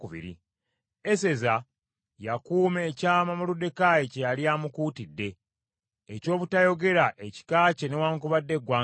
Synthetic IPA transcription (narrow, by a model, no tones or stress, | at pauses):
uβḭɾḭ | ese̞za | jakuːme̞ːcaːmamulude̞kaːjecejaliaːmukuːtidːe̞ː | co̞ːβutajo̞ɡe̞ɾaʔeci̥kaːce̞ne̞waːŋkuβadːe̞ɡwaː